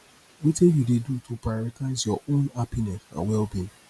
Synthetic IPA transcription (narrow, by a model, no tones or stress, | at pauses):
witɛ̃judedutʰupaɾataɪzjɔʔõnapinɛ̃sã̰wɛlbĩn